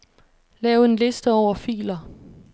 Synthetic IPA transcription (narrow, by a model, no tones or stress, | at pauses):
lɛːʊe̝nle̝sd̥əɒʊ̰ɐfḭːlɐ